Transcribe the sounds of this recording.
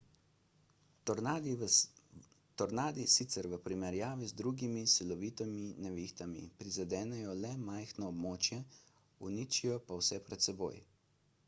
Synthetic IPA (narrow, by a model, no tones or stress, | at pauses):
t̪ɔɾnaːd̪isit̪sɛɾʋəpɾimɛɾjaːʋizd̪ɾuɡimisilɔʋiːt̪ɔminɛʋixt̪amḭpɾizad̪ɛːnɛjɔlɛmajxnɔːbmoːt͡ʃjɛ | unit͡ʃijɔpawsɛpɾɛt̪sɛbo̰ːj